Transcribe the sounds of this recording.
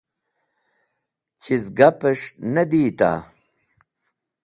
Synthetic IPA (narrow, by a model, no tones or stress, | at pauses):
t͡ɕʰizɡɐpɐʂnɐd̪iːt̪a̰